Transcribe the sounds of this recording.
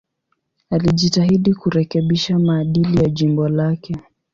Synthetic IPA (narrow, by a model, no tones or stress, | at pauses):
aliʄitaɦiɗikuɾɛkɛɓiʃamaːɗilijaʄimbɔlakɛ